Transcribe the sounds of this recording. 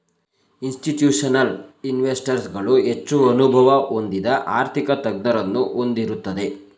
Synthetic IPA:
insʈiʈjuːʂɐnɐlinʋesʈɐɾsɡɐɭuɦe̞t͡ʃːuɐnubʱɐʋɐo̞nd̪id̪ɐʔaːɾt̪ʰikɐt̪ɐɡ̚d̪ɐɾɐnːuʔo̞nd̪iɾut̪ːɐd̪e̞

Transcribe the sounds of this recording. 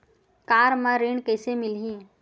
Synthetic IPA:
kaːɾmãɾeːɳkɛːsemɪlɦĩ

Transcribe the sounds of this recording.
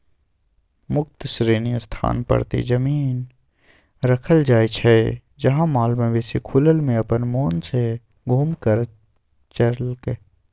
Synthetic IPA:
mʊkt̪sɾeːnijəst̪ʰa̰ːnpɐ̰ɾt̪ḛd͡ʒɐmiːn | ɾɐkʰəld͡ʒaːet͡ʃʰɛ | d͡ʒɐɦãmaːlmẽʋeːsekʰʊləlmẽɐpənmoːnse | ɡʱuːmkəɾ | t͡ʃəɾlke

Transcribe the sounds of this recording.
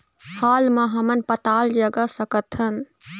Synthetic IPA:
haːlmãɦɐmənpɐt̪aːld͡ʒɐɡəsɐkət̪ʰənɪ̆

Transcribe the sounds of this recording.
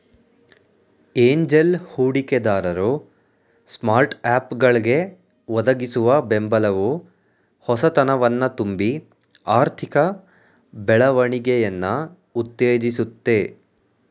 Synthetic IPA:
eːɲd͡ʒelhuːɽiked̪aːɾɐɾu | smaːɾʈaːpɡɐɭɡe̞ | ʋɔd̪ɐɡisuʋɐbembɐlɐʋu | hɔsɐt̪ɐnɐʋɐnːɐt̪umbi | aːɾt̪ʰikɐ | bɛɭɐʋɐɳiɡejɐnːɐ | ut̪ːeːd͡ʒisut̪ːe̞

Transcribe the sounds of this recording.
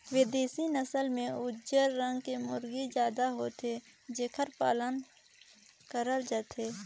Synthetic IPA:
weːd̪eːsinəsəlmẽʊd͡ʒəɾːə̃ŋɡkemʊɾɡid͡ʒjaːd̪aɦoːt̪ʰe | d͡ʒeːkʰəɾpa̰ːlən | kəɾəld͡ʒət̪ʰeː

